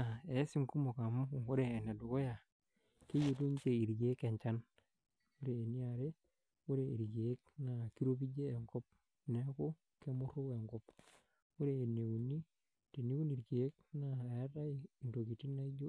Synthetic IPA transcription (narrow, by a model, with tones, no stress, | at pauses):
a˨e˨˦si˦˨ŋku˦mo˨ka˨mu˦˨o˦ɾeː˨ne˨du˨ko˦ja˨ | ke˦jo˨tu˦ɲ˦t͡ʃe˨i˨ɾɡe˦ke˨ɲt͡ʃa˦n | o˦ɾeː˨ni˦a˨ɾe˦ | o˦ɾe˨ḭ˨ɾɡeː˨˦kna˨ki˦ɾo˦bi˦d͡ʒeː˦˨ŋkɔ˦p̚ | ne˨˦ko˦ | ke˦mʊ˦ɾo˦we˨ŋkɔ˦p | o˦ɾeː˨ne˨wu˨ni˦ | te˨ni˦wu˦ni˨ɾɡeː˨˦k̚na˨a˦ɾa˦i˨i˨ndo˨ki˨ti˦na˦i˦d͡ʒo˦